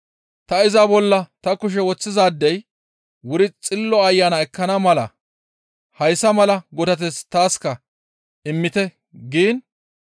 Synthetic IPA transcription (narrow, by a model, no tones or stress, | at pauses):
t̪ɐɪzɐbɔlːɐt̪ɐkʊʃ̬ɛwɔt͡sːɪzaːd̪ːɛj | wʊɾɪt͡sʼɪlːɔɐjːaːnɐɛkːɐnɐmɐlɐ̰ | hɐjsɐmɐlɐɡɔd̪ɐt̪̬ɛst̪aːskɐ | ɪmːɪt̪ɛ | ɡiːn